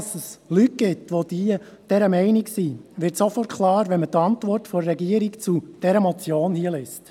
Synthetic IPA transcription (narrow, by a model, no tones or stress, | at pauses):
səslyt̚ɡ̥ɪtʋod̥iə | d̥ɛɾəmɛɪniksiʋɪɾtsofɔrtkʰlɑːɾʋɛnmətɑntʋɔrtfɔɾːɛɡiəɾikt͡sud̥ɛɾəmɔt͡sjoːnhiəlest